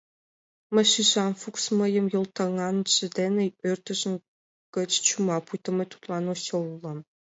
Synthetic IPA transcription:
mə̆ʃiʒɑnfuksmɤ̆jə̆mjŏlˠt̪ɑŋɑnʃɘ̆d̪enĕørt̪ə̆ʒə̆n | kə̆t͡ɕt͡ɕumɑpujt̪ə̆mə̆t̪u̥t̪lˠɑnoɕɤ̆lulˠɤ̆m

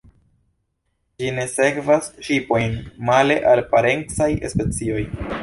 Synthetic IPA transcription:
d͡ʒine̞se̞kvasʃipo̞jnmale̞ʔalpaɾe̞nt͡sajespe̞t͡sio̞j

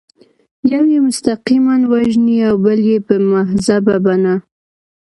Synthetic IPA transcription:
jawjemʊst̪aqimanwaʒniawbəljepəmaɦzababana

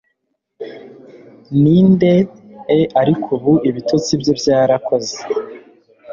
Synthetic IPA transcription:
niːnde̞ːʔaɾikʰuβuʔiβitʰot͡sibjobjaːɾako̞ze̥

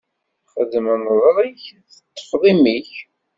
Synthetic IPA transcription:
χəðmənðˤɾˤiçθət̪ˤːə̥fʁˤimiç

